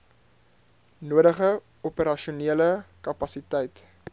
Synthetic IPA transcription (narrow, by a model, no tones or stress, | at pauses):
nuəɾəχə | ɔpəɾɐʃiuniələkɐpɐsitɛjt